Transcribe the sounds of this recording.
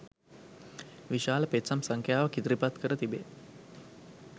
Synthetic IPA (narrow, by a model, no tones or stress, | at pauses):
ʋiʃaːləpet̪samsaŋkʰjaːʋəkit̪ɾipat̪kəɾət̪ibe